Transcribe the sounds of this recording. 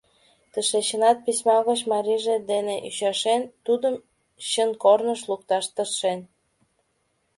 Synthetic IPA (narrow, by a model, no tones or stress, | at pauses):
t̪əʃeɕənɑt̪̚pisʲmɑɣət͡ɕmɑɾiʒed̪eneʔyɕɑʃent̪ud̪əm | ɕənkornəʃlukt̪ɑʃt̪ərʃen